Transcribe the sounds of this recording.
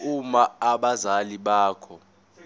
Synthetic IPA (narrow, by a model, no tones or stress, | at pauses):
umaaɓazaliɓaːkʰɔ